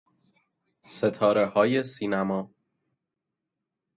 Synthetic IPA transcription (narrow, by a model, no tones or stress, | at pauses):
se̞t̪ʰɒːɾe̞hɒːje̞siːnæmɒː